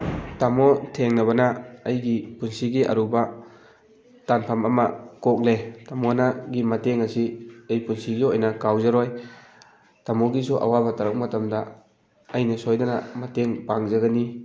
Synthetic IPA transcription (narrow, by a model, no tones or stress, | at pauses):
tamotʰeŋnɐβɐnɐːjɡipunsiɡiʔɐ̰ɾubɐ | tanpʰɐmɐmɐ̰kok̚letamonaɡimɐteŋɐsiejpunsiɡiojnɐkawzɐɾoj | tamoɡisuʔa̰wabɐtɐɾɐk̚mɐtɐmdɐ | ɐjnɐsojdɐnɐ̰mɐteŋpaŋzɐɡɐni